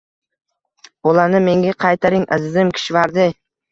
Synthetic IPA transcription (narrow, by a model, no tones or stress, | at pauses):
bolanɪme̞ŋɡʲaqʰɑjt̪ʰaɾɪŋʔɪzd̪ɪmkʲʰɪ̥ʃvaɾd̪ɪ